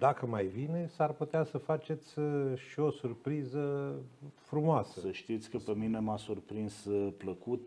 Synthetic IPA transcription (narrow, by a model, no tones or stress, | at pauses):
d̪akəmajvine̞sarput̪easəfat͡ʃe̞t̪sʲʃio̞surpɾizə | fɾumoasəsəʃt̪it̪sʲkəpemine̞masurpɾinspləkut̪̚